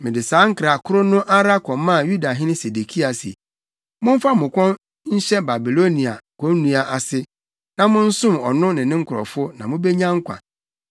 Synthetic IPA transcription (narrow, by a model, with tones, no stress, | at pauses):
mɪ̃˨dɪ˨saː˨˦ŋ̩˦kɾa˨kʰʊ˦ɾʊ˦nʊ̃˦ʔa˦ɾa˦kʰɔ̃˨˦mã˦˨ju˦da˨ɦɪ̃˦nɪ̃˦se˨de˨kʰi˦a˨sḭ˨ | mʊ̃˦m̩˦fa˦mʊ̃˨kʷɔ̃˦n | ɲ̩˦ɕɛ˦ba˨bi˨lo˦nĩ˨a˨kʰo˦nũ˦a˨ʔa˨sɪ˦ | nã˦mʊ̃˦n̩˦sʊ̃˦mɔ˨nʊ̃˦nɪ̃˨nɪ̃˦ŋ̩˦kʰʊ˨ɾɔ̰˨fʊ˦nã˨mʊ̃˦be˦ɲã˦ŋ̩˦kʷʰa̰˨